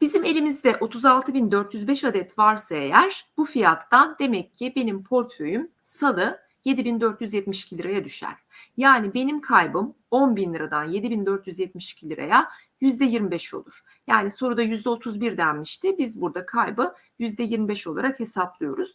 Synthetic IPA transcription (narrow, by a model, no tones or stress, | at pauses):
b̥izime̞lʲimizd̪ɛʔo̞t̪ʰuzalˠt̪ʰɯbind̪ø̞ɾt̪jyzbɛʃad̪ɛt̪vaɾsaejæɾ̥b̥ufijat̪ːand̪e̞mɛcʰːɪbe̞nimpʰo̞ɾt̪føjymsalˠɯ | je̞d̪ibind̪øɾt̪jyzjɛt̪miʃi̥cʰilʲiɾajad̪yʃæ̰ɾ̥jaːnibe̞nimkʰajbɯm | o̞nbinlˠɯɾad̪anje̞d̪ibind̪øɾt̪ʰjyzjɛt̪̚miʃi̥cʰilʲiɾa̰ja | jyzd̪ɛjiɾmibɛʃo̞̰lˠuɾ̥ | jaːniso̞ɾud̪ajyzd̪ɛo̞t̪ʰuzbiɾd̪æmmiʃt̪ʰɪbizbuɾd̪akʰajbɯ | jyzd̪ɛjiɾmibɛʃo̞lˠa̰ɾakhe̞saplˠɯjo̞̰ɾuz̥